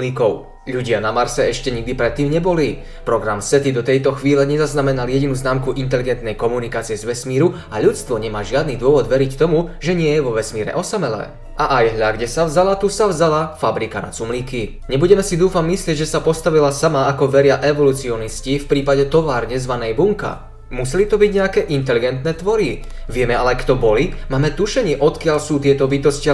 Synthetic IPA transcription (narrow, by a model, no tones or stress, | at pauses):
likɔʊ | ʎuɟɪanamaɾsɛɛʃcɛɲiɡ̚d̪ipɾɛt̪ːiːmɲɛbɔli | pɾɔɡɾamsɛt̪id̪ɔt̪ɛjt̪ɔxʋiːlɛɲɛzaznamɛnaljɛɟinuznaːmkuʔint̪ɛliɡɛnt̪nɛjkɔmunikaːt͡siɪjɛzʋɛsmiːɾu | aʎut͡st̪ʋɔɲɛmaːʒɪad̪nid̪ʊɔʋɔd̪ʋɛɾict̪ɔmuʒɛɲɪɛjɛʋɔʋɛsmiːɾɛ̰ʔɔsamɛlɛ̰ | ʔaʔajɦʎaɡɟɛsavzalat̪usavzalafabɾikana̰t͡sumliːki | ɲɛbuɟɛmɛsid̪uːfamːislɪɛɟʒɛsapɔst̪aʋilasamaːkɔʋɛɾɪaʔɛʋɔlut͡siɔniscifpɾiːpaɟɛt̪ɔʋaːɾɲɛzʋanɛjbuŋka̰ | musɛlit̪ɔbiɟɲɛakɛːʔint̪ɛliɡɛnt̪nɛːt̪ʋɔɾi | ʋɪɛmɛalɛkt̪ɔbɔlimaːmɛt̪uʃɛɲɪɛʔɔt̪kɪaʎsuːt̪ɪɛt̪ɔbit̪ɔscɪa